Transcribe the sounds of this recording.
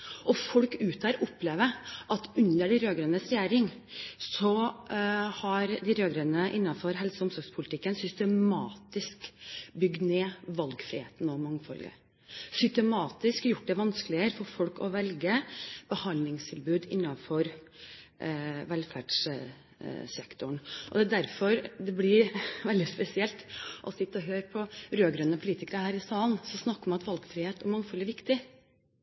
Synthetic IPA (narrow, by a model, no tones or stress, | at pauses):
ɔfɔlkʉːt̪æɾʔʊpːleːʋəʔɑt̪ʉnəɖɛɾøːɡɾɛnəsɾɛjæːɾɪŋ | sɔ | hɑɾd̪ɪɾøːɡɾɛːnəʔɪnːɑfɔɾɦɛlsəʊmsɔɾɡspʰʊlɪt̪ɪkːənsʏst̪əmmɑːt̪ɪskbʏɡd̪neːʋɑlɡfɾḭːhḛːt̪n̩ɔmɑŋːfɔ̰lɡə̰ | sʏst̪ɛmɑːt̪ɪskjʊʈ̚ːd̪ɛʋɑnskəlɪəɾfɔɾfɔlkɔʋɛlɡəb̥əhɑnlɪŋst̪ʰɪlbʉːd̪ɪ̰nːɑfɔɾ | ʋɛlfæɖʂ | sɛkt̪ʊɳʔɔd̪ɛæd̪æɾfɔɾd̪ɛblɪɾʋɛld̪ɪspɛsɪɛlt̪ʔɔsɪt̪ːɔɦøːɾpʰɔɾøːɡɾœnːəpʰʊliːt̪ɪkəɾəhæːɾɪsɑːlnsɔsnɑkːɾmɑnɑt̪ʋɑlɡfɾɪheːt̪ɔmɑŋːfɔlːæɾʋɪkt̪ɪ